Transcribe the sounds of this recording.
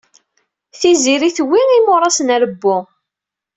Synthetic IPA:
θiziɾiθwːiimʊɾˤɑsənəɾəbːʊ

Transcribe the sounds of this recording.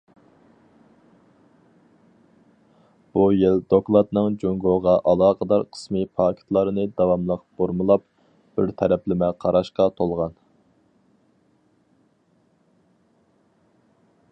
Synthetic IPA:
b̥ujɪld̪oklˠɑt̪nɨŋd͡ʒoŋɡoʁɑʔɑlˠɑːqʰəd̪ɑɾqʰə̥smɨpʰɑːkʲʰt̪ʰlˠɑɾɨnɨd̪ɑwɑmlˠəqb̥oɾmɨlˠɑp̚ | b̥ɪɾt̪ʰɛɾɛplɪmɛqʰɑɾɑʃqɑt̪ʰolˠʁɑn

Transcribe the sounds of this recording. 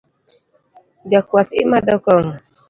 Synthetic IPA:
d͡ʒakwat̪imadɔkɔŋ

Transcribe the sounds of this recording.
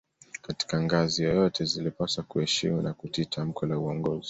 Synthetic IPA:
kati̥kaŋɡazijɔjɔtʰɛzilipasakuɛʃimunakutitʰam̩kʰɔlauɔŋɡɔzi

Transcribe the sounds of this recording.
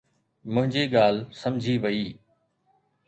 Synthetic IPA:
mʊ̃ɦɪ̃ɲd͡ʑiːɠaːl̤sɐmd͡ʑʱiːʋɐiː

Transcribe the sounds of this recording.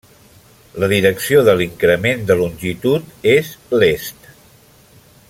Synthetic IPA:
ləðiɾəksioðəliŋkɾəmend̪əlunʲʒit̪ut̪ezlest̪

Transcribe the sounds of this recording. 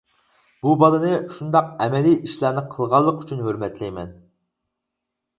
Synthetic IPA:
b̥ubɑlˠɨnɨʃund̪ɑq̚ɛmɛliʔiʃlˠæːnɨqʰəlˠʁɑlˠːəqy̥t͡ʃʰynɦøɾmɛt̪lɛjmɛn

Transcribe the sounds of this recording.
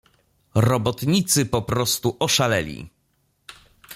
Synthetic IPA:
ɾɔbɔt̪ɲit̪sɘpɔpɾɔst̪uʔɔʂalɛlʲḭ

